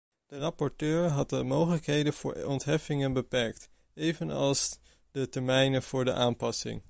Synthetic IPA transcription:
d̥ərɑpɔɹtøːɹɦɑt̚dəmowχələkɦejdənv̥ʊ̰ːɹɔntɦɛfɪŋənbəpɛɹk̚t | ejvənɑ̰lˠs | d̥ətɛɹmɛjnənv̥ʊːɹdə̰ʔaːmpɑsɪ̰ŋ

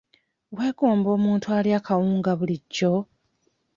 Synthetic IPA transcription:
ɣwe̞ːɡo̞ːmbo̞ːmuːntuwaljaːkʰawuːŋɡaβuliɟːo

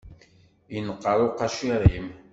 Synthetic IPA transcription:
jənəqːəɾˤoqɑʃiɾˤim

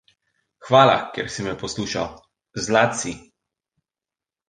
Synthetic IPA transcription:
xʋaːla̰kɛɾsimɛpɔsluːʃa̰w | zlaːt̪si

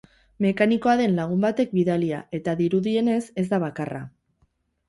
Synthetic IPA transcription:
me̞kaniko̞aðe̞nlaɣ̞umbat̪e̞k̚biðaliae̞t̪aðiɾuðie̞ne̞se̞zd̪aβ̞akara̰

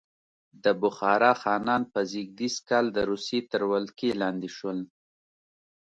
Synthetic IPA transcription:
d̪əbʊxɑɾɑxɑnɑnpəziɡ̚d̪iskɑld̪əɾusjet̪əɾwalkelɑnd̪iʃwəl

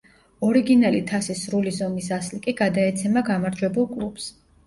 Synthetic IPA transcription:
ɔɾiɡinalit̪ʰasisɾulizɔmisaslikʼiɡad̪aɛt̪sʰɛmaɡamaɾd͡ʒwɛbulˠkʼlˠubs

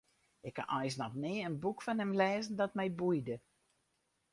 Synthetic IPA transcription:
ɪkʰːa̰ʔɔjs̬nɔtnɪːənbukfanɛmlɛːzən̩dɔtmɛjbujdə

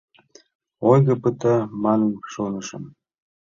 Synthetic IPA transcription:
ojɣə̆pət̪ɑmɑnʃonəʃə̰̆m

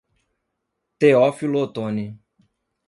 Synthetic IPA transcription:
t̪eɔfilot̪ɔnĩ

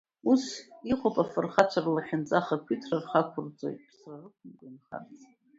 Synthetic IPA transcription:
usiχʷopʼafɨrχat͡ʃʷʰarlaħᶣɪnt͡sʼaχakʷʰitʰrarχakʷʰʊrt͡sʼo̰jtʼpʰsrarɨkʷʰʊmkʷʼanχa̰rt͡sʼ

